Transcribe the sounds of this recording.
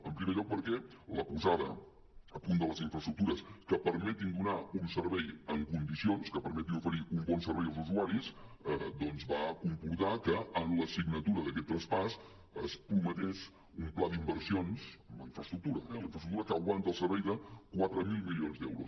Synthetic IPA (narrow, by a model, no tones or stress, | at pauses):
əmpɾimeʎɔk̚pəɾkɛləpuzaðə̰ | əpund̪ələziɱfɾəst̪ɾuk̚t̪uɾəskəpəɾmɛt̪ind̪unaunsəɾβɛjəŋkund̪isionskəpəɾmɛt̪inufəɾiumbɔnsəɾβɛjəlˠzuzuaɾisəd̪ɔnzβakumpuɾt̪akəːnləsiɡnət̪uɾəðəkɛt̪ːɾəspas | əspɾumət̪ɛʃ | umplaðimbərsionsəmlə̰iɱfɾəst̪ɾuk̚t̪uɾəɛliɱfɾəst̪ɾukt̪uɾəkəɣwant̪əlˠsəɾβɛjðəkwat̪ɾəmilˠmilionzd̪ɛwɾus